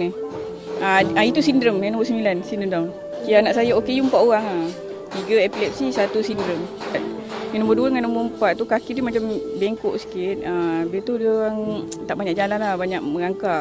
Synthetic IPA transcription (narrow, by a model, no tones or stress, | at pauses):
ni | aait̪usindɾəmanɔ̃bəs̬milansindəmd̪aun | kijanaʔsajaokejumpaʔoɣaŋa | t̪iɡəɛpilɛp̚sisat̪usindɾəm | at̪̚ | ŋanɔ̃mbəduəŋanɔ̃mbəəmpat̪̚ːukakidumat͡ʃambeŋkoʔsə̥kit̪̚abiət̪udəoɣaŋ | t̪aʔbaɲaʔd͡ʒalanlahbaɲaʔmə̃ŋaŋka